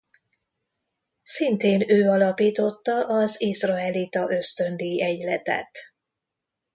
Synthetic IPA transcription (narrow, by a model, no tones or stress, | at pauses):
sint̪eːnøːɒlɒpiːt̪o̞t̪ːɒʔɒzizrɒɛlit̪ɒʔø̞st̪ø̞nd̪iɛɟlɛt̪ɛ̰t̪